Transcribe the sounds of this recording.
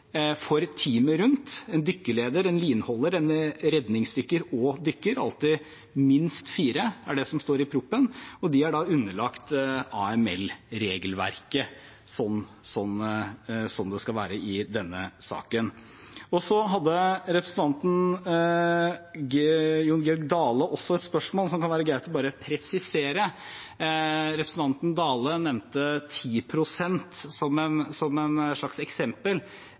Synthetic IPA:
fɔɾt̪ʰiːməɾʉnt̪ɛnd̪ʏkːəleːd̪əɾɛnliːnhɔlːəɾɛnɾɛd̪nɪŋsd̪ʏkːəɾɔːd̪ʏkːəɾɑ̰lt̪ɪ | mɪnst̪fiːɾəæɖɛsɔmst̪oːɾɪpʰɾʊpːənɔd̪ɪæɖɑʉnːəɭɑkt̪ɑɛmɛ̰lɾeːɡəlʋæ̰ɾkə | sɔnːsɔn | sɔmd̪ɛskɑlʋæ̰ːɾəɪd̪ɛnːəsɑ̰ːkən | ɔsɔɦɑd̪ːəɾɛpɾəsn̩t̪ʰɑnt̪n̩ | juːnɡɛɔɾɡ̚d̪ɑːləʔɔsːɔɛt̪spœʂmoːlsɔmkʰɑnʋæːɾəɡɾæɪt̪lɔbɑːɾəpʰɾɛsɪseːɾə | ɾɛpɾəsn̩t̪ʰɑnt̪n̩d̪ɑːlənɛʋnt̪ət̪ʰiːpʰɾʊsɛnt̪sɔmɛnsɔmɛnʂɭɑksɛksɛmpəl

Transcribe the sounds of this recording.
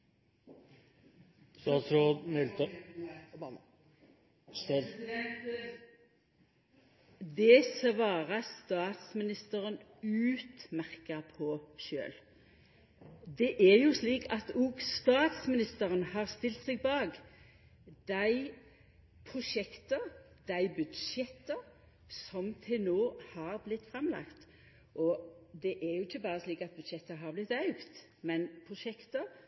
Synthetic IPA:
st̪ɑːt̪sɾoːd̪mɛlt̪ | d̪ɛsəʋɑːʁəst̪ɑːt̪smɪnɪst̪əʁən | ʉːt̪mæʁkəpʰɔʃø̰ːl | d̪ɛʔæʁjusliːkʰɑt̪ʊɡst̪ɑːt̪smɪnɪst̪əʁənhɑːʁst̪ɪlt̪sɛɡ̚bɑːɡ | d̪æɪ | pʰʁʊʂɛkt̪ə | d̪̥æɪbʉd̪ʃɛt̪ːə | sɔmt̪ʰɪlnoːhɑːʁblɪt̪ːfʁɛmlɑ̰kt̪ | ʔɔd̪ɛʔɛɾjʊɪçːəbɑːʁəsliːkɑt̪̚bʉd̪ʃɛt̪ːəɦɑːʁblɪt̪ɑʉɡt̪ | mɛnpʰʁʊʃɛkt̪ə

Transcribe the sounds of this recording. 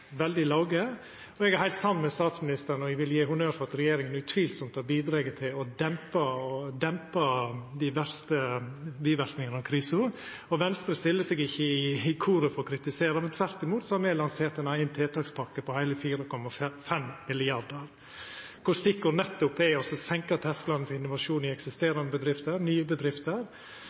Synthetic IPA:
ʋɛld̪ɪlɑʊɡə | ɔɛɡæɾhæɪlt̪sɑnːmɛst̪ɑːt̪smɪnɪst̪əɾnɔɛɡʋɪljiːhʊnøːɾfɔɾɑt̪ɾɛjeːɾɪŋənʉt̪ʰʋiːlsɔmt̪ʰɑbiːd̪ɾeːɡət̪ʰɪlɔd̪ɛmpɑɔd̪ɛmpɑd̪ɪʋæɾst̪əbiːʋæɾknɪŋənɑmkʰɾiːsʊ | ɔʋɛnst̪ɾəst̪ɪlːəsɛɡɪçːəɪɪkʰuːɾəfɔɾɔkʰɾɪt̪ɪseːɾəmɛnt̪ʰʋæɾt̪ɪmuːt̪sɔhɑɾmɛːlɑnseːɾt̪ɛnɑɪnt̪ʰeːt̪ʰɑːkspʰɑkːəpʰɔhæɪləfiːɾəkʰɔmɑffɛmmɪlɪɑɾd̪əɾ | kʰʊst̪ɪkːʊɾnɛt̪ːʊpːɛɔsɔsɛŋkɑt̪ʰɛsk̪lɑnːfɔɾɪnːʊʋɑʂuːnɪɛksɪst̪eːɾɑnəbəd̪ɾɪft̪əɾnyːəbəd̪ɾɪft̪əɾ

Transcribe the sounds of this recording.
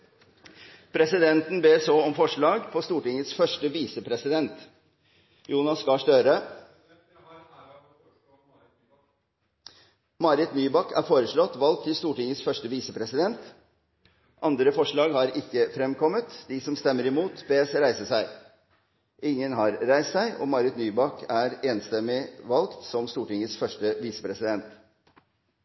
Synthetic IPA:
pʰɾɛsɪd̪ɛnt̪n̩beːsoːɔmfɔʂɭɑːɡpʰɔst̪uːʈɪŋːət̪sfœʂʈəʋiːsəpʰɾɛsɪd̪ɛnt̪ | juːnɑskɑʂt̪øːɾə | mɑɾɪt̪nyːbɑkːæ̰ːɾfoːɾəʂɭɔt̪ːʋɑlk̚t̪ʰːɪlst̪uːʈɪŋəsfœʂʈəʋiːsəpʰɾɛsɪd̪ɛnt̪ | ʔɑnd̪ɾəfɔʂɭɑːɡhɑɾɪkːəfɾɛmkʰɔmːət̪d̪ɪsɔmst̪ɛmːəɾɪmuːt̪beːsɾæɪsəsæɪ | ʔɪŋːənɦɑɾɾæɪst̪sæɪʔɔ̰ːmɑɾɪt̪nyːbɑkæːɾeːnst̪ɛmːɪʋɑlkt̪sɔmst̪uːʈɪŋəsfœʂʈəʋiːsəpʰɾɛsɪd̪ɛnt̪

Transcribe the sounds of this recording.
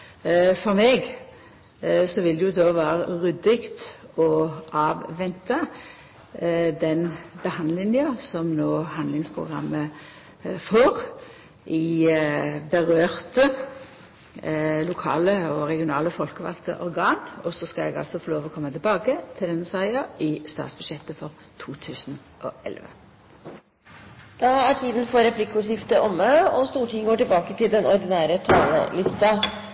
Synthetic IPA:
fɔʁmɛːɡ | sɔʋɪld̪ɛjʊd̪oːʋæːɾəʁʉd̪ɪkt̪ɔʔɑːʋʋɛnt̪ə | d̪ɛnbəhɑnd̪lɪnɪɑsɔmnoːhɑnd̪lɪŋspʰʁʊ̰ɡʁɑ̰mːə | foːɾ | ʔɪ | bəʁøːʁt̪ə | lʊkʰɑ̰ːləɔʁɛɡɪʊnɑːləfɔlkəʋɑ̰kt̪ə̰ʔɔɾɡɑːnɔsɔskɑɛɡɑ̰lsɔfoːloːʋɔkʰɔmːət̪ʰɪlbɑːkət̪ʰɪld̪ɛnːəsæɪɑʔɪst̪ɑ̰ːt̪sb̥ʉd̪ʃjɛt̪ːəfɔʁ | t̪ʰuːt̪ʰʉːsn | ʔɔ̰ɛ̰lʋə̰ | d̪̥ɑæʈʰiːd̪ən̩fɔɾɛpʰlɪkːʊʂɪft̪əʔɔmːəɔst̪uːʈʰɪŋɡoːʈɪlbɑːkət̪ʰɪld̪ɛnɔɾd̪ɪnæːɾət̪ʰɑːlə̰lɪst̪ɑ

